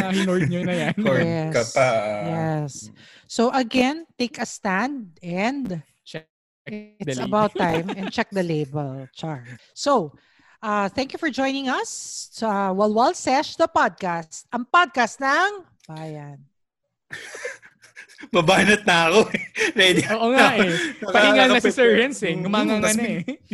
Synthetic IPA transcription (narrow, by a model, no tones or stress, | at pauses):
ɐɪnojɲonɐjanɛkɐajɛsː | oʔɐɡɛ̃nt̪eɪkɐst̪æ̃nd̪̚ɛ̃nd̪ | t͡ʃɛ | ɪɪsɐbawt̪ːãjmɛ̃nt͡ʃɛk̚d̪ɐleɪbɛlt͡ʃaɹso | ʔɐθɛ̃ŋkjufɔɹd͡ʒɔ̃jnɪ̃ŋɐsɐwɛlwalsɛʃd̪ɐpad̪̚kast̪̚ʔɐŋpad̪̚kast̪̚nɐŋ | b̥aːjɐn | bɐbaːnɐt̪̚nɐɐkoɛɾɛd̪ʔoːʔoŋaʔpɐɪŋanɐssɛɹɐnsɛʊmaŋaŋɐn